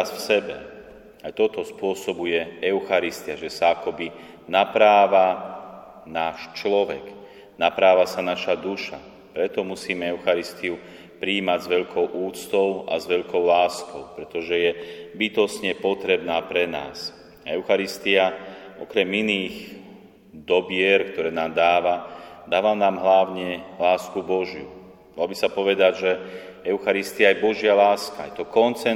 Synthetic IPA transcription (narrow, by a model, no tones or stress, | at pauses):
asfsɛbɛ̰ | ajt̪ɔt̪ɔspʊɔsɔbujɛɛʊxaɾist̪iaʒɛsaakɔbi | napɾaːʋa | naːʃt͡ʃlɔʋɛk | napɾaːʋasanaʃad̪uʃa | pɾɛt̪ɔmusiːmɛɛʊxaɾist̪iu | pɾiːmaɟzʋɛʎkʰɔʊʔuːt͡st̪ɔʊa̰zʋɛʎkɔʊlaːskɔʊpɾɛt̪ɔʒɛjɛbit̪ɔsɲɛpɔt̪ɾɛbnaːpɾɛna̰ːs | aɛʊxaɾist̪iaɔ̰kɾɛminiːx | d̪ɔbɪɛɾkt̪ɔɾɛːnaːmd̪aːʋad̪aːʋamnaːmɦlaʊɲɛlaːskubɔʒju | malɔbisapɔʋɛd̪aɟʒɛɛʊxaɾist̪iajɛbɔʒɪalaːskajɛt̪ɔkɔnt͡sɛ